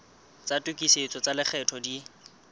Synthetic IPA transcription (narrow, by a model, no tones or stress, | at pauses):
t͡satʼukʼiset͡sʼɔt͡salɪk͡xʰɛtʰɔdi